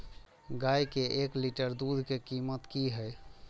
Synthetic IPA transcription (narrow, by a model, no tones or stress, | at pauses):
ɡajkeʔekliʈəɾd̪ud̪ʱkekimət̪kiɦəj